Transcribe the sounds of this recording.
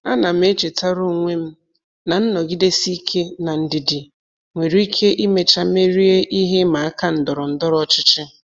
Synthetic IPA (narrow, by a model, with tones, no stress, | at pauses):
a˦na˨m̩˦e˦t͡ʃe˨ta˦ɾʊ˦˨ŋʷe˦m̩˦ | na˨n̩˦nɔ˨ɡi˦de˦si˦i˦kʰe˦na˨n̩˨dɪ˨dɪ˨ | ŋʷe˨ɾi˦i˦kʰe˦ʔi˦me˨t͡ʃa˦me˦ɾi˦e˦ʔi˦ɦe˦ma˨a˦ka˦n̩˨dɔ˨ɾɔ˨n̩˦dɔ˦ɾɔ˦t͡ʃɪ˦t͡ʃɪ˦